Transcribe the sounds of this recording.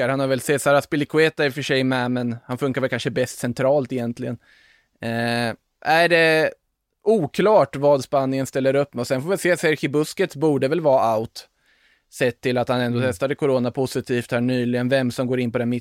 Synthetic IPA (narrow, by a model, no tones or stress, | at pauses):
aɾhanhaɾvɛlsɛsaːɾaspɪlɪkʰʊeːt̪aɾɪfəʂɛjmɛmɛnhanfɵŋkaɾvɛlkʰanʂəbɛst̪sɛnt̪ʰɾɑːlt̪ɪjɛnt̪ʰlɪɡən | ʔæɖɛ | ʔuːkʰlɑːʈvɑːd̪spanːɪənst̪ɛlːəɾɵpːmɛɔsɛnfoːvɪɪseːsæɾxɪbɵskət̪sbuːɖəvɛlvɑːaʊt̪ | sɛt̪ʰːɪlat̪hanɛnd̪ɔːt̪ʰɛst̪ad̪əkʰʊɾoːnapʰʊsɪt̪ʰiːft̪hæːɳyːlɪɡənvɛmsɔmɡoːɾɪnpɔd̪ɛnmɪ